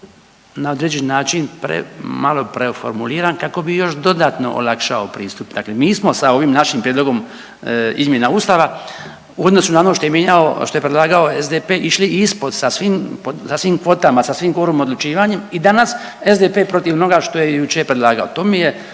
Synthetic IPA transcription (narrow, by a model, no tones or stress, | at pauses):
nao̞d̪ɾed͡ʑennaːt͡ʃinpɾḛmalo̞pɾeofo̞̰ɾmuliːɾankako̞bijo̞ʃd̪o̞d̪aːt̪no̞̰ʔo̰lakʃaopɾiːst̪upd̪aklemiːsmo̞sao̞ʋimnaʃimpɾjed̪loɡo̞m | ḭzmjenauːst̪aʋa | uod̪no̞sunaonoʃt̪o̞jemjeɲaoʃt̪o̞jepɾed̪laːɡao̞ezd̪epeːʔiʃliispo̞d̪sasʋiːmposasʋiːmkʋo̞t̪amasasʋimko̞ɾumo̞d̪lˠut͡ʃiːʋaɲe̞mid̪anas | ezd̪epe̞ːpɾo̞t̪iʋono̞ɡaʃt̪o̞jejut͡ʃejpɾed̪laːɡaot̪o̞ːmije